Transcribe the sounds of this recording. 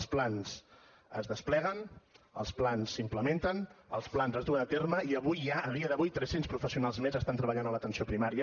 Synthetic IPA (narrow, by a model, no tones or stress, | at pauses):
splans | əzðəsplɛɣ̞ənə̰lˠsplansːimpləment̪ənəlˠsplanzəzðuənət̪erməiəβujːaəðiəðəβujt̪ɾɛsenspɾufəsiunalˠzmezəst̪ant̪ɾəβəʎanəmlət̪ənsiopɾimaɾiə